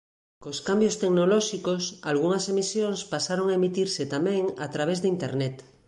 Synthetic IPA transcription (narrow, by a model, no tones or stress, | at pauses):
koskambjost̪eknolɔʃikosalɣ̞uŋasemisjoŋspasaɾoŋaemit̪iɾset̪amẽŋa̰t̪ɾaβ̞ezðeint̪ḛɾnet̪